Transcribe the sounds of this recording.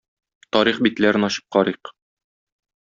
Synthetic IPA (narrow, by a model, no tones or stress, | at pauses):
t̪ɒɾiχbit̪læɾɘnɒɕɤ̥p̚qɒɾiq